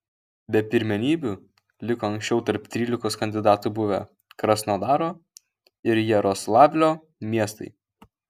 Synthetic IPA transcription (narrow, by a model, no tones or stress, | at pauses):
bʲɛpʲɪɾʲmʲɛnʲiːbʲuː | lʲɪkoːɐŋʲksʲt͡ʃʲɛʊt̪ɐɾp̚t̪ʲɾʲiːlʲɪkoːskɐnʲd̪ʲɪd̪ɑːt̪ubʊʋʲɛ | kɾɐsnoːd̪ɑːɾoː | ɪɾjɛɾoːslˠɑːʋʲlʲoː | mʲiɛst̪ɐ̰ɪ